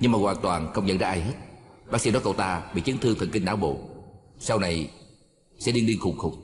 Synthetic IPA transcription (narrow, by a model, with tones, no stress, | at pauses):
ɲɨ˧ŋmaː˨˩ɣwaː˨˩nt̪waː˨˩nxə˧wŋ͡mɲə̰˧˥nza̰ː˧˥ʔaː˧jɦe˦˥t̚ɓaː˦˥ksḭ˧ɗɔ˨˦kə˧˩wt̪aː˧ɓḭ˧˨t͡ɕi˨˦ənt̪ɨ˧ət̪ʰə˨˩nŋkï˧ŋɗa̰ː˧˦wɓo̰˧˨ | sa˧wna˨˩j | sɛ̰˧˥li˧ənɗi˧əŋxʊ˨˧˩ŋ͡mxʊ˨˩k͡p̚